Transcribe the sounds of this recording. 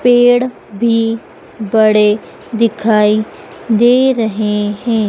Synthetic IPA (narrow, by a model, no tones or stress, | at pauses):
peːɽ | bʱiː | bəɽe | d̪ɪkʰaːiː | d̪eːɾəɦeɦɛ̃ː